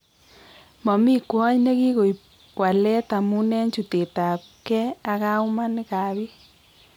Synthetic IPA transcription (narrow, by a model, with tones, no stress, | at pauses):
mɔ˨mi˦kwɔ˦ɲne˦ɣi˦ɣo˨i˨ | wa˨lɛ˦ta˨mu˦nɛ˦ɲt͡ʃu˨te˨ta˨ | kɛ˦a˦ɣa˦u˦ma˦nɪ˦ka˨βi˦